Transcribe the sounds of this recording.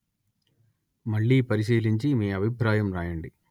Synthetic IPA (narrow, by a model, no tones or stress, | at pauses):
mɐɭːipɐɾiʃ̬iːliɲt͡ʃimiːɐbʱipɾaːjɐmɾaːjɐɳɖi